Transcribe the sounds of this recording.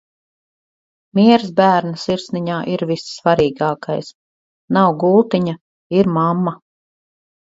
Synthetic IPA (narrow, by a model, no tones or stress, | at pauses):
mʲiɛɾsbæːɾnasiɾsniɲaːʔiɾvisːvaɾiːɡaːka̰js | nawɡulˠt̪iɲa | iɾmamːa